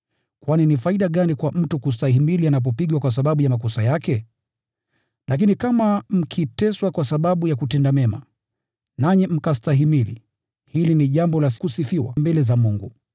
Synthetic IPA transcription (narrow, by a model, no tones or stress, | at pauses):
kwaninifaiɗaɠanikwam̩tukus̬taɦimilianap̬ɔpiɡwakwas̬aɓaɓujamak̬ɔsajakɛ | lak̬inikamam̩kʰitɛswakwasaɓaɓujakutɛndamɛma̰ | naɲɛm̩kastaɦimilḭ | hiliniʄambɔlakusifiwa̰mbɛlɛzamuŋɡu